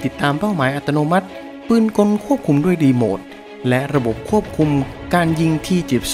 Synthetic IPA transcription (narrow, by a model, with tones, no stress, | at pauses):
t̪i˨˩t̪ːaː˧mpa˥˩wmaː˩˦jʔa˨˩t̪ːa˧oː˧ma˦˥t̪̚ | pɯː˧˩nko˧nkʰu˥˩əp̚kʰu˧mdu˥˩əjdiː˧moː˨˩t̪̚ | lɛ˦˥ʔɾa˧bo˨˩p̚kʰu˥˩əp̚kʰu˧m | kaː˧nji˧ŋt̪ʰiː˥˩t͡ɕi˨˩p̚s